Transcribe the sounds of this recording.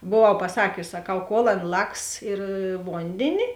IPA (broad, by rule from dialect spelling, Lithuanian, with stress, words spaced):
boːˈʋɐʊ pɐˈsɑːkʲʊs sɐˈkɐʊ koːlˠ ˈɐn ˈlˠɐks ɪr ˈʋoːnʲdʲeːnʲɪ